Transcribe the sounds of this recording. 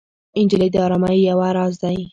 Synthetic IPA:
ɪnd͡ʒɪled̪əɑɾɑmajjawaɾɑzd̪aj

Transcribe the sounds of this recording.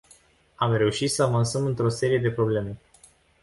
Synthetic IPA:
amre̞uʃit̪səavansəmɨnt̪ɾo̞se̞ɾije̞d̪e̞pɾo̞ble̞me̞

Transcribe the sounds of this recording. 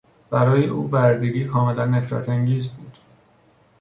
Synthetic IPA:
b̥æɾɒːjeʔṵːbæɾd̪iːɾiːkʰɒːme̞lænːe̞fɾæ̰t̪ʰæŋɟiːzbuːd̪̥

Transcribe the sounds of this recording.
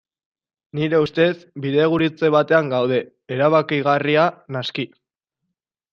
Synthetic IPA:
niɾe̞ust̪e̞sbiðe̞ɣ̞uɾit͡se̞βat̪e̞aŋɡawð̞e̞ː | ɾaβakiɣ̞arianaski

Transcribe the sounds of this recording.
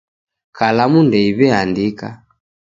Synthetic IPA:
kalamundɛiβɛandika̰

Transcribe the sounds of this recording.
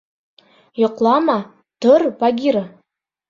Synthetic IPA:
jŏqlˠɑmɑ | t̪oɾvɑɡʲiɾɤ

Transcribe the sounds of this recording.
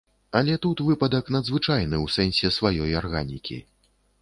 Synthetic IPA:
ɐlʲɛt̪ut̪vɨpɐd̪ɐknɐd̪zvɨt͡ʂajnɨwsɛnʲsʲɛsvajɔjarɣanʲḭkʲḭ

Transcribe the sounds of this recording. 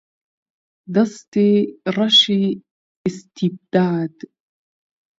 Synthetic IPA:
d̪ɑst̪iɾˤɑʃi | ɪst̪ʰib̚d̪aːd̪

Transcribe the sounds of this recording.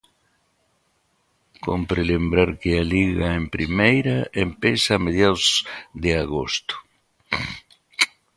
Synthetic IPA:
kompɾɪlembɾaɾkɪaliɣaempɾimejɾaempesameð̞jaðozðeaɣo̰st̪ʊ̥

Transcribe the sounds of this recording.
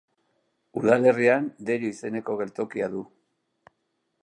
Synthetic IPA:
uð̞ale̞riand̪eɾuise̞ne̞ko̞ɣ̞e̞lt̪o̞kiaðu

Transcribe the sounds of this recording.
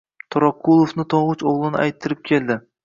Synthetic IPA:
t̪ʰoɾɑkʰːulˠofnɪt̪ʰoʁʊt͡ʃoʁlˠɪnɪa̰jt̪ʰːɪɾɪp̚kʲʰe̞ld̪ɪ

